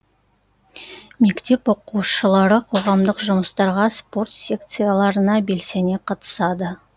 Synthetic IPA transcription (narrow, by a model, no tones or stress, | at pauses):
me̞kt̪e̞pwo̞quwʃəlˠɑɾəqʰo̞ʁɑmd̪əqʒʊməst̪ɑɾʁɑspo̞rt̪sʲe̞k̚t̪sɨjalˠɑɾənɑbe̞lse̞neqʰɑt̪ə̥sɑd̪ə